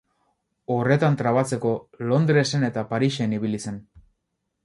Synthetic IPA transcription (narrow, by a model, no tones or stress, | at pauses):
o̞re̞t̪ant̪ɾaβat͡se̞ko̞lo̞nd̪ɾe̞se̞ne̞t̪apaɾiʃe̞niβ̞ilise̞n